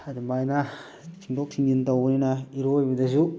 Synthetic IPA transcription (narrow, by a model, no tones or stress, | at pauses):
adimajna | tʰiŋdok̚sʰiŋintawninaiɾojbɐdɐsu